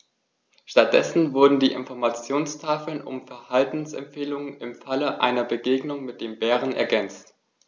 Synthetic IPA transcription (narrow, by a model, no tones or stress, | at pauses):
ʃtat̚d̥ɛsn̩vʊɐdn̩diːʔɪ̰nfɔɐmat͡sjoːnstʰaːfl̩nʊ̰mfɛɐhaltn̩sɛ̰mpfeːlʊŋənɪmfaləʔa̰ɪnɐbəɡeːɡnʊŋmɪt̚d̥eːmbɛːʁənɛ̰ɐɡɛnt͡st